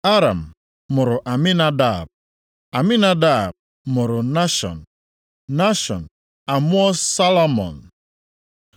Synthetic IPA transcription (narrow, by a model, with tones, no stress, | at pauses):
a˦ɾa̰˨m̩˨ | mʊ˨ɾʊ˨ʔa˨mɪ˦na˦da˦˨b̚ | a˨mɪ˦na˦da˦˨b̚ | mʊ˨ɾʊ˨na˦ʃɔ̰˨n̩˨ | na˦ʃɔ̰˨n | a˨mʊ˦ɔ˦sa˦lɔ˦mɔ̰˨n̩